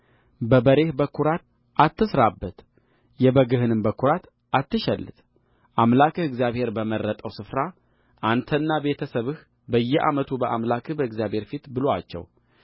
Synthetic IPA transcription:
bəbəɾe̞hbəkʰːuɾat̪̚ | ʔat̪ːɨsɾabːət̪ | jɛbəɡɨhɨnɨmbəkʰːuɾat̪ | ʔat̪ːɨʃɛlːɨ̰t̪ | ʔamlakɨhɨɡzjaβhe̞ɾbəmərːət̪ʼəwsɨfɾa | ʔant̪ʰənːabe̞t̪ʰəsəβɨh | bəjːɛʔa̰mət̪ʰubəʔamlakʰɨhbəɨɡzjaβhe̞ɾfit̪bɨloa̰t͡ʃːɛ̰w

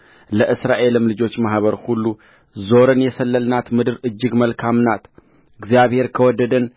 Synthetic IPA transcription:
ləʔɨsɾaʔe̞lɨmlɨd͡ʒo̞t͡ʃːmahβəɾhulːu | zo̞ɾɨnjɛsəlːəlnat̪mɨd̪ɨɾɨd͡ʒːɨɡməlkʰamnat̪ | ɨɡzijaβhe̞ɾkʰəwɔd̪ːəd̪ən

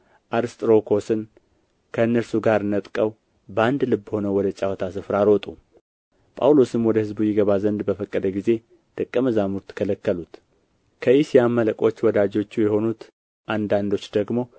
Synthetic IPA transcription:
ʔaɾɨst̪ʼɾo̞kʰo̞sɨn | kʰənːəɾsuɡaɾɨnət̪ʼkʼəw | bəand̪lɨbːho̞nəwɔd̪ət͡ʃʼawt̪ʰasɨfɾaɾot̪ʼu | pʼa̰wlosɨmwɔd̪əhɨzbujɪɡəβazənd̪bəfəkʼːəd̪əɡize̞ | d̪̥ɨkʼːəməzamuɾt̪ʰɨ̥kʰələkːəlut̪ | kʰəisijamːələkʼo̞t͡ʃːwɔd̪ad͡ʒo̞t͡ʃːujɛho̞nut̪ | ʔand̪and̪o̞t͡ʃːd̪əɡmo̞

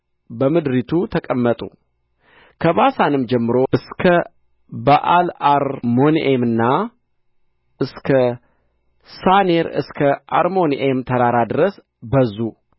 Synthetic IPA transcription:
bəmɨd̪ɾit̪ʰut̪ʰəkʼəmːət̪ʼṵ | kʰəβasanɨmd͡ʒɛmːɨɾo̞ʔɨskʰə | bəʔalaɾmo̞nʔemɨnːa | ʔɨskʰə | saneɾɨ̰skʰəʔa̰ɾmo̞nʔemt̪ʰəɾaɾad̪ɨɾəs | bəzːu

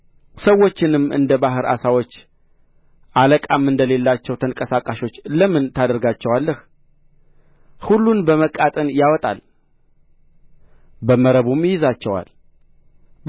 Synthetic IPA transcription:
səwːo̞t͡ʃːɪnɨmːʔɨ̰nd̪əbaɦɨɾa̰sawot͡ʃː | ʔaləkʼamːɨnd̪əle̞lːat͡ʃːɛwt̪ʰəŋkʼəsakʼaʃo̞t͡ʃːləmɨnt̪ʰad̪əɾɡat͡ʃːɛwalːəh | hulːunbəməkʼat̪ʼənjawɔt̪ʼa̰l | bəməɾəβumjɪzat͡ʃːɛwa̰l

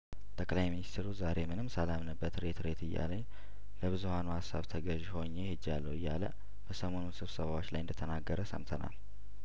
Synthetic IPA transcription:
t̪ʼəkʼlajminist̪ʰeɾuzaɾe̞mɨnɨmsəlamnəbːət̪ɾe̞t̪ɾe̞t̪ɨjːa̰leɲ | ləβɨzuhanuhasːaβt̪ʰəɡəʒho̞ɲːe̞hɨd͡ʒːalːəwɨjːa̰lə̰ | b̥əsəmo̞nunsɨβsəβawot͡ʃːlajɨnd̪ət̪ʰənaɡːəɾəsə̰mt̪ʰəna̰l

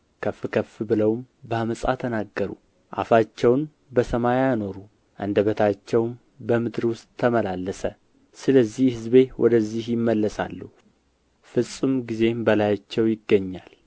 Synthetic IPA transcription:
kʰəfːɨkʰəfːbɨləwm | bəaməsʼa̰t̪ʰənaɡːəɾṵ | ʔa̰fat͡ʃːɛwn | bəsəmajano̞ɾu | ʔɨ̰nd̪əβət̪ʰat͡ʃːɛwm | bəmɨd̪ɾwʊst̪ʼʰːəməlalːəsə | sɨləzːihhɨzbe̞wʔɔ̰d̪əzːihjɪmːəlːəsa̰lːuhu | fɨsʼɨmɡize̞mbəlajat͡ʃːɛwjɪɡːəɲːal

